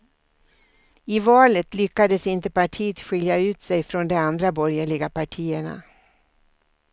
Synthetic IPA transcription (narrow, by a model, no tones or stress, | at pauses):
ɪvɑːlət̪lʏkːad̪əsɪnt̪əpaʈʰiːət̪ɧɪljaʉ̟ːt̪sɛjfɾɔnd̪ɛand̪ɾabɔɾjəɭɪɡapʰaʈʰiːəɳa̰